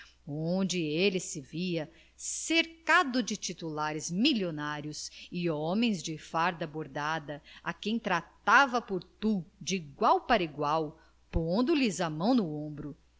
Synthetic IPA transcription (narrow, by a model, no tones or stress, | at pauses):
õd͡ʒɪelɪsɪviɐ | seɾkad̪ʊd͡ʒɪt͡ʃit̪ulaɾɪzmilonaɾjʊsɪɔmẽj̃zd͡ʒɪfaɾd̪ɐboɾd̪ad̪ɐakẽj̃t̪ɾat̪avɐpoɾt̪ud͡ʒiɡwawpaɾɐiɡwaw | põnd̪ʊlɪzɐmɐ̃w̃nʊõbɾʊ